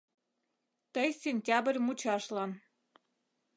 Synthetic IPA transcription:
t̪əjsʲenʲtʲɑbrʲmut͡ɕɑʃlɑn

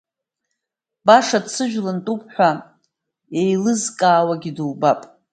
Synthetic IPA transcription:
baʂadt͡sʰɨʒᶣlantʼupʼħᶣʷa | ejlɨzkʼaːwaɡʲidɨwbapʼ

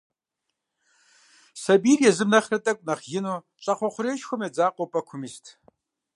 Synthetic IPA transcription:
sɐbiːrjɛzɨmnɐχrɨtʼɐkʷʼnɐχjɪnuː | t͡ʃʼɐqʷɔχʷʊɾeːʃxʷʊmjɛd͡zaːqʷʼopʼɐkʷʰʊmistʰ

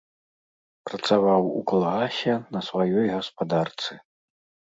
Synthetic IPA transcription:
pɾɐt̪savawṵkalˠɣasʲɛnɐsvajɔjɣɐspad̪art̪sɨ

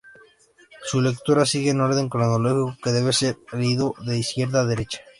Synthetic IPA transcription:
sule̞kt̪uɾasiɣ̞eno̞ɾðe̞ŋkɾonoloxikoke̞ðe̞βe̞seɾleiðoðe̞iskje̞ɾðaðe̞ɾe̞t͡ʃḁ

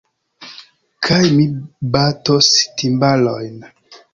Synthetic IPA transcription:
kʰajmibatostimbalojn

